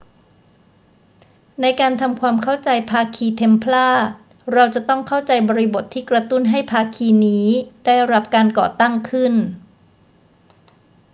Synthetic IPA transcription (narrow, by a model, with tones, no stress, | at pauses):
na˧jkaː˧nt̪ʰa˧mkʰwaː˧mkʰa˥˩wt͡ɕa˧jpʰaː˧kʰiː˧t̪ʰe˧˥mpʰlaː˥˩ | ɾa˧wt͡ɕa˨˩t̪ɔ˥˩ŋkʰa˥˩wt͡ɕa˧jbɔː˧ɾi˦˥bo˨˩t̪ʰːiː˥˩kɾa˧t̪u˥˩nɦa˥˩jpʰaː˧kʰiː˧niː˦˥da˥˩jɾa˦˥p̚kaː˧nkɔ̰ː˨˩t̪a˥˩ŋkʰɯ˥˩n